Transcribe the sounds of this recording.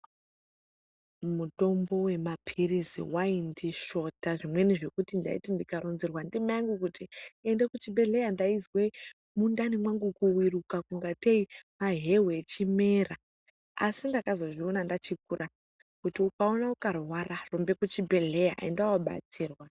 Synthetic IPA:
muto̞mbo̞we̞mapʰirizḭwaindiʃo̞taʐimwe̞niʐe̞kutinda̰ḭtindikaɾonzirwandimajaŋɡukutiendekut͡ʃibʱe̞ɮe̞jandaizwe | mundanimwaŋɡukuwirukakuŋɡateimaɦe̞ɦeet͡ʃime̞ːra | a̰sindakazo̞ʐionandat͡ʃik̚ura | kutiukaonaukarwararo̞mbe̞kut͡ʃibʱe̞ɮe̞ja̰ḛndawaɓa̰t͡siːrwa

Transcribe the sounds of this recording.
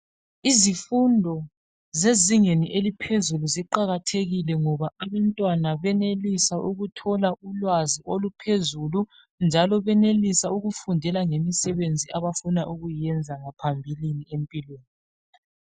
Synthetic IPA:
izifundʱɔ | zeziŋeniʔelipʰezuluziǃaɣatʰeɣilɛŋɔβaaβantʼwanaβɛnelisaʔuɣutʰɔlaulwaziʔolupʰezulu | nd͡ʒʱalɔβɛnelisauɣufundʱɛlaŋemisɛβend͡zʱiʔaβafunaʔuɣujiɛnd͡zʱaŋapʰambʱiliniempʼilweːni

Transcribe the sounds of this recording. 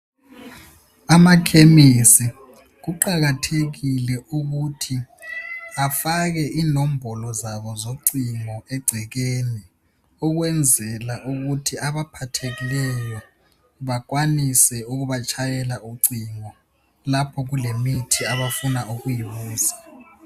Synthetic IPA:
amakʰemisi | k̬uǃaɣatʰeɣilɛʔuɣutʰi | afaɣɛʔinom̩bʱɔlɔzaβɔzoǀiŋɔɛɡ͡ǀʱɛɣ̬eni | uɣ̬wɛnd͡zʱɛlaʔuɣutʰiaβapʰatʰeɣilɛjɔ | βak̬wanisɛuɣuβat͡ʃʰajɛlauǀiŋɔ | lapʰɔɣulemitʰiaβafunauɣujiβuːsḁ

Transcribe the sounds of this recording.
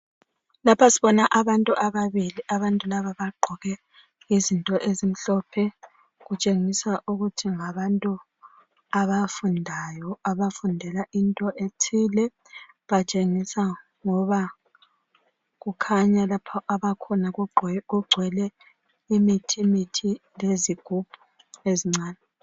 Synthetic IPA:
lapʰasiβɔnaʔaβantʼuʔaβaβiliʔaβantʼulaβaβaɡ͡ǃʱɔɣɛ | izintʼɔʔezim̩ɬɔpʰɛ | ɣut͡ʃʼeŋisaʔuɣutʰiŋaβantʼu | aβafundʱajɔaβafundʱɛlaʔintʼɔʔetʰilɛ | βat͡ʃʼeŋisa | ŋɔβa | ɣukʰaɲalapʰɔʔaβakʰɔnaɣuɡ͡ǀʱwɛlɛ | imitʰimitʰileziɡ̥ʱub̥ʱu̥ | eziŋ͡ǀaːnɛ

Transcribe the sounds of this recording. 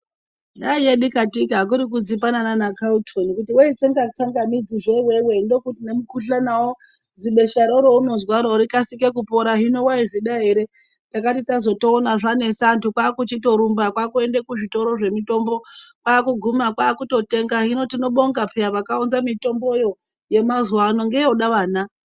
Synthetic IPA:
daijeɗikatikak̬uɾik̬ud͡zipanananakautʰonikutiweit͡seŋɡat͡saŋɡamid͡ziʐewewe̞ndo̞kutinemukuɬanawo | ziɓe̞ʃaɾoɾouno̞zwaɾoɾikasikek̬upo̞ɾaɦino̞waiʐiɗaɦe̞ɾe̞ | takatitazo̞to̞ːnaʐane̞santukwaːkut͡ʃito̞ɾumbakwakue̞ndekuʐito̞ɾo̞ʐe̞mito̞mbo̞kwaːkuɡʱumakwaːkuto̞te̞ŋɡaɦino̞tino̞ɓo̞ŋɡapʰiaʋakaunzamito̞mbo̞jo̞ | je̞mazuwano̞ŋɡe̞jeɗaʋaːna

